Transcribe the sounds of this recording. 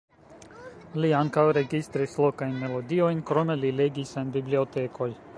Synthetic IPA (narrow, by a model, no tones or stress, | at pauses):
liaŋkawɾe̞ɡist̪ɾislo̞kajnme̞lo̞dio̞jnkɾo̞me̞lile̞ɡisenbiblio̞te̞kʰo̞j